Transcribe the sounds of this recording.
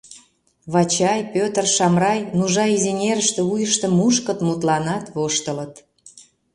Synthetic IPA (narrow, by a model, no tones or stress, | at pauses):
βɑt͡ɕɑjpʲøt̪ərʃɑmrɑjnuʒɑizenʲeɾəʃt̪ĕujəʃt̪ə̆mːuʃkə̆t̪mut̪lɑnɑt̪βoʃt̪ələ̆t̪